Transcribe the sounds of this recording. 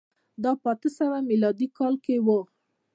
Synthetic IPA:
d̪ɑpɑt̪əsawamilɑd̪ikɑlkewə

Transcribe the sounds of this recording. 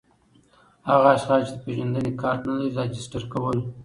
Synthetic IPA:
haɣaːʃxɑt͡ʃed̪əpeʒand̪ənekɑɾt̪nalaɾizɑd͡ʒɪsʈaɾkawəl

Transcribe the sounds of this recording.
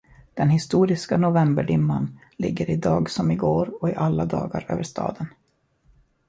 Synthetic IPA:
d̪̥ɛnhɪst̪uːɾɪskanʊvɛmbəɖɪmːan | lɪ̰ɡːəɾɪd̪ɑːɡsɔmɪɡoːɾɔɪʔalːad̪ɑːɡaɾø̰ːvəʂt̪ɑ̰ːd̪ən

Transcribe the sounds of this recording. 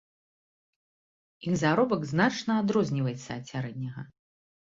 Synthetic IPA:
ixzaɾɔbɐɡznat͡ʂnɐad̪ɾɔzʲnʲivɐjɛt̪sːɐːtʲsʲaɾɛd̪ʲnʲɐɣɐ

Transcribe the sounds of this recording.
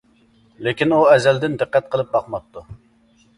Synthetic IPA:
lekʲinuɛzɛld̪ɪnd̪ɨqːɛt̪̚qʰəlˠɨp̚bɑqmɑp̚t̪ʰːu

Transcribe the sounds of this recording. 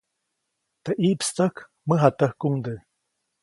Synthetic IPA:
t̪əʔiːpst̪ək | mɨɦat̪əhkuŋd̪ɨ

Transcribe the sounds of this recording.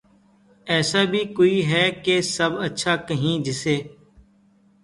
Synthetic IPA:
ɛːsaːbʱiːkoːiːɦɛːkesəbətːʃʰaːkəɦĩːd͡ʒɪseː

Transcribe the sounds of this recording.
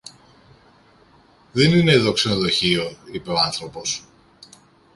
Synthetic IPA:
ðenine̞iðo̞kse̞noðo̞çioipe̞oɐnθɾo̞po̞s

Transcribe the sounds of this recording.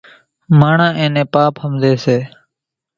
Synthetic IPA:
maːɳãːʔẽːnẽːpaːphəmd̪eːseː

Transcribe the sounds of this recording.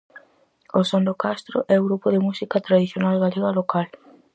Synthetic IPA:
osond̪okast̪ɾo̰ʔɛoɣɾupoðɪmusikat̪ɾaðiθjonalɣaleɣalokal

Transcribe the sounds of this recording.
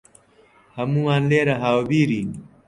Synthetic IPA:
hɐmũwaːnleːɾɐɦaːwobiːɾiːn

